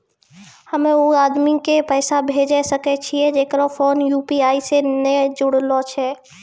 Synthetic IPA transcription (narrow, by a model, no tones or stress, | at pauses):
həmẽoaːd̪mikepəːsabʱeːd͡ʒɛsəkɛt͡ʃʰiɛd͡ʒeːkɾofʰoːnjuːpiaːisenɛd͡ʒʊɽlot͡ʃʰɛ